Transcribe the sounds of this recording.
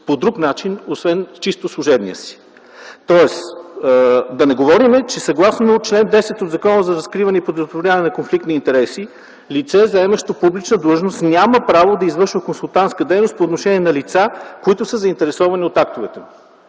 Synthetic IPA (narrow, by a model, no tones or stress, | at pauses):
pod̪ɾuknat͡ʃinosvɛnt͡ʃist̪oslˠʊʒɛbnḭjəsi̥ | t̪ɔɛs | d̪ɐnɛɡovɔɾimɛt͡ʃɛsɐɡlˠasnot͡ʃlɛnd̪ɛsɛt̪ot̪d̪zɐkɔnəzɐɾɐskɾivɐnɛipɾod̪ɾost̪ɾovlʲanɛnɐkonflikt̪niːnt̪ɛɾɛsi | lit̪sɛzɐɛmɐʃt̪əpublit͡ʃnəd̪lˠəʒnost̪nʲaməpɾavod̪ɐizvɤɾʃvəkonsulˠt̪ant̪skəd̪ɛjnost̪poːt̪noʃɛniɛnɐlit̪sakoit̪ʊsəzɐint̪ɛɾɛsɔvɐnʲiot̪ak̚t̪ovɛt̪ɛmu